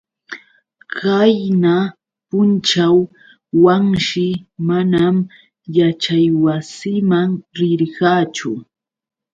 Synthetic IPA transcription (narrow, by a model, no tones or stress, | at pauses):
kajna | pʊnt͡ʃaw | waŋʃɪmanam | jat͡ʃajwasɪmaŋɾɪɾɢɑːt͡ʃʊ̰